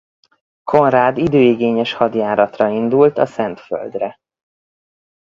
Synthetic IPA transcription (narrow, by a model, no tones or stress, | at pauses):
kʰo̞nraːd̪id̪øːiɡeːɲɛʃhɒd̪jaːɾɒt̪rɒind̪ult̪ɒsɛnt̪fø̰ld̪rɛ